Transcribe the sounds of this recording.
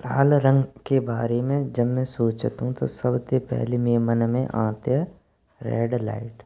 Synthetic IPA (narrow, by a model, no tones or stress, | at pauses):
laːlɾə̃ŋɡkebaːɾemẽd͡ʒɐbmẽsoːt͡ʃt̪ɦũt̪o̰sɐbsepɛ̰ɦlemeːmənmḛ̃ʔã̰ːt̪jə | ɾɛ̰ːɖla̰ːɪʈ